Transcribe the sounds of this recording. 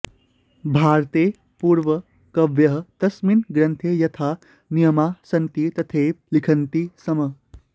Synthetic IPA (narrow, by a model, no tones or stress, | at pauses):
bʱaːɾt̪eː | puːɾʋɐ | kɐʋjɐɦə̆t̪ɐsminɡɾɐnt̪ʰejɐt̪ʰaː | nijɐmaːsɐnt̪it̪ɐt̪ʰeːp̚likʰɐnt̪isɐmɐ